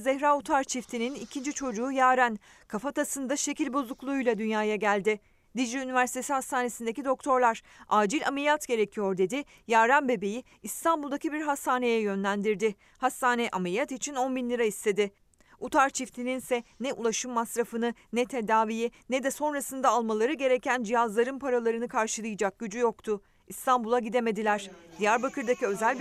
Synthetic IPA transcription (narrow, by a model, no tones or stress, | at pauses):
zɛçɾaut̪ʰaɾt͡ʃʰift̪ʰininicʰind͡ʒit͡ʃʰo̞d͡ʒuːjaːɾæn | kʰafat̪asɯnd̪aʃe̞cilʲbo̞zˠuklˠuujlˠad̪ynjaːjaɟælʲd̪ɪ | d̪id͡ʒiynivæɾsi̥t̪ʰe̞sihast̪ʰaːne̞sind̪ecid̪o̞kt̪ʰo̞ɾlˠaɾ̥ | aːd͡ʒilʲa̰melʲijat̪ɟe̞ɾe̞cʰijo̞ɾd̪e̞d̪ɪ | jaːɾanbe̞be̞jiːst̪ʰanbulˠd̪acibiɾɦast̪aːne̞jɛjø̞nlʲænd̪iɾd̪ɪ | hast̪aːnɛʔamelijat̪it͡ʃʰino̞nbinlʲiɾaist̪ʰe̞d̪ɪ | ut̪ʰaɾt͡ʃʰift̪ʰininsɛnɛʔṵlˠaʃɯmːasɾafɯnɯnɛt̪ʰe̞d̪aːvijinɛd̪ɛso̞nɾasɯnd̪aːlˠmalˠaɾɯɟe̞ɾe̞cænd͡ʒijazlˠaɾɯnpʰaɾalˠaɾɯnɯkʰaɾʃɯlˠɯjɯd͡ʒak̚ɟ̥yd͡ʒyjokt̪ʰʊ | ist̪ʰanbulˠaɟid̪e̞me̞d̪ilʲæɾ̥d̪̥ijæɾbakʰɯɾd̪aciø̞zælʲ